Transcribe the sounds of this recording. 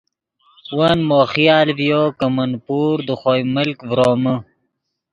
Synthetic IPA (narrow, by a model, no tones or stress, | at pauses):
wɐnmoːχijaːlvijoːkɐmɐnpuːɾd̪uχoːjməlkvɾoːmə